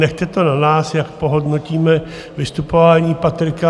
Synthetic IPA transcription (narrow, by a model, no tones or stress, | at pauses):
nɛxt̪ɛt̪o̞nanaːsjakpo̞ɦo̞dno̞ciːmɛ | vɪst̪upo̞vaːɲiːpat̪ɾɪka